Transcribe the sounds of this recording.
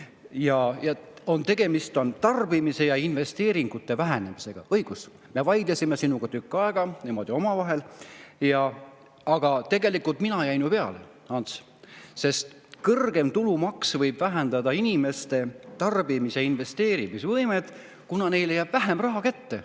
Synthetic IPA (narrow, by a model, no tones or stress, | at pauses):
jɑjɑo̞nt̪e̞ɡ̥e̞mist̪o̞nt̪ɑrb̥imise̞jɑinve̞st̪e̞ːɾiŋɡ̥ut̪ːe̞væɦæne̞mise̞ɡ̥ɑ̰ɤjɡ̥us | me̞vɑjd̪lesʲimesinuɡ̥ɑt̪ykːˑɑeɡ̥ɑnimo̞d̪̥io̞mɑvɑɦe̞ljɑ | ɑɡ̥ɑt̪e̞ɡ̥e̞likult̪minɑjæjnupe̞ɑ̰le̞̰ | ɑns | se̞st̪ | kɤrɡ̥e̞mt̪ulumɑksvɤjb̥væɦænd̪̥ɑd̪ɑinʲime̞st̪e̞t̪ɑrb̥imiseinve̞st̪e̞ːɾimisvɤjme̞d̪̥ | kunɑne̞jlejæb̥væɦemrɑɦɑkæt̪ːe̞